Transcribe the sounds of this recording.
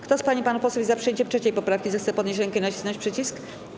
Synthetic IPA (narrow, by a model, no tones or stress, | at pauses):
kt̪ɔspaɲipanupɔswuvʲizapʂɨjeɲt͡ɕɛftt͡ʂʂɛt͡ɕejpɔpɾafkʲizɛxt̪sɛpɔd̪ɲeɕ̬ɾɛŋkɛnat͡ɕi̥snɔ̃ɲt͡ɕpʂɛt͡ɕisk